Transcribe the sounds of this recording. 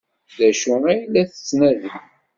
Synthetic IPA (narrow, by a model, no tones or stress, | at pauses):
ðæʃʊʁæjlːæθə̥t͡sːnæðən